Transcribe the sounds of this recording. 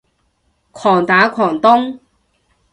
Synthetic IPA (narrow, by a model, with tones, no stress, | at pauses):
kʷʰɔː˨˩ŋt̪aː˨˥kʷʰɔː˨˩ŋt̪ʊ˥ŋ